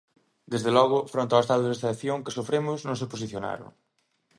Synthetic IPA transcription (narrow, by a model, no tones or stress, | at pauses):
d̪ezðelɔɣ̞ʊfɾõnt̪aoest̪aðoest̪aeθjoŋkɪ̥sofɾemʊznõŋseposiθjona̰ɾʊ̰ŋ